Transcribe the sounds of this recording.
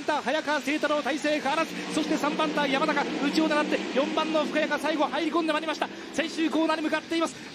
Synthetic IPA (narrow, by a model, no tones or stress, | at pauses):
nt̪ahajakase̞ːt̪aɾoːt̪aise̞ːkaːɾazɨ̥so̞ɕi̥t̪e̞sãmbãnt̪ajamanakaɯ̟ːt͡ɕio̞t̪aɾat̪ːe̞jõ̞mbãnːo̞ɸɯ̟kajakasaiɡo̞haiɾʲiko̞nd̪emaɾʲimaɕi̥t̪a | sẽɰ̃ɕɨːko̞ːnaːɲ̟imɯ̟kat̪ːe̞imasɨ̥